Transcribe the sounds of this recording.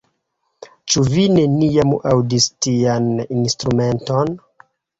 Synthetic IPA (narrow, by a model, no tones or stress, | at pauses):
t͡ʃuvine̞nijamawdistianinstɾume̞nton